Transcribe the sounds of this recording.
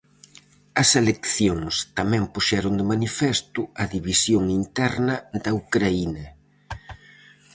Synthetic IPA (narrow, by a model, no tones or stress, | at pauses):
ɐselekθjoŋst̪ɐmɛ̃mpuʃɛɾʊnd̪ɪmanifɛst̪ʊɐðiβisjoŋint̪ɛɾnɐd̪ɐukɾainɐ